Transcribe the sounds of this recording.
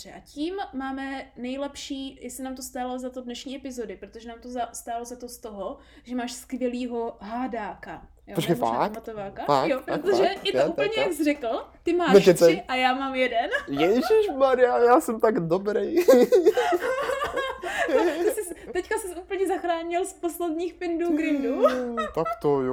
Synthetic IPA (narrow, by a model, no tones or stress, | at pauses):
dbr̥ɛʔaciːmːaːmɛnɛjlɛpʃiːjɛsɪnaːmt̪ost̪aːlozat̪odnɛʃɲiːʔɛpɪzodɪpɾot̪oʒɛnaːmt̪ozast̪aːlozat̪o̞st̪o̞ɦo | ʒɛmaːʃskvʲjɛliːɦo̞ɦaːdaːka | jpot͡ʃkaaa̰mat̪ovaːkaa̰jopɾot̪oʒɛjɛt̪ouːpl̩ɲɛjakzrɛkl̩t̪ɪmaːɛɛɪʔajaːmaːmjɛdɛnjɛʒiʃmaɾɪjajaːsɛmt̪aɡdobɾej | oɪsɪst̪ɛckasɪsʔuːpl̩ɲɛzaxɾaːɲɪlsposlɛdɲiːxpɪnduːɡɾɪnduːt̪akt̪ojo